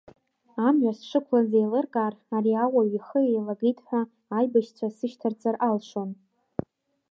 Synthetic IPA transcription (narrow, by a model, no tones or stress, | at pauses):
amɥasʂɨkʷʰlazejlɨrkʼaːraɾiawaɥiχəejlaɡijtʰʼħʷaː | jbaʃt͡sʷʰasɨʃtʰart͡sʼarʔalʂon